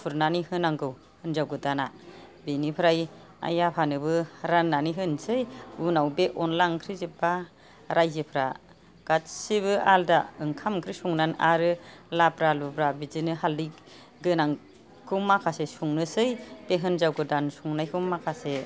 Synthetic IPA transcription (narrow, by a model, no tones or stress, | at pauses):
pʰuɾnanihɯnaŋɡɯw | hɯnzawɡɯdana | benipʰɾaj | a̰japʰanɯbɯɾanːaniɦɯnsɯjunawbeʔɔnlaŋkʰɾizɯba | ɾajzɯpʰɾa | ɡ̥atsiβɯaldaɯŋkʰamkʰɾisuŋnana̰ɾɯlapɾalubɾabizinɯɦaldi | ɡɯnaŋ | kʰɯmakʰasesuŋnɯsɯjb̥eɦɯnzawɡɯdansuŋnajkʰɯmːakʰase